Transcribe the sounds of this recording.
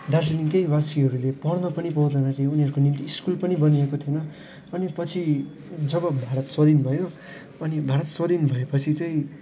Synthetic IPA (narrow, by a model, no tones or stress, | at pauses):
d̪arsiliŋkeibasiɦʌɾulepʌrnʌpʌnipʌɦud̪ʌnʌɾiuniɦʌɾukonimt̪iːskulpʌnibʌniekot̪ʰijonʌ | ʌnipʌt͡sʰi | d͡zʌbʌbʱaɾʌt̪swʌd̪inbʱʌjo | ʌnibʱaɾʌt̪swʌd̪inbʱʌjepʌt͡sʰit͡sʌĩ